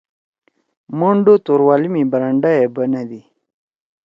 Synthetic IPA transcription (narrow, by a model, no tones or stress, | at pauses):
moɳɖot̪oɾwalimibəɾaɳɖajebənad̪i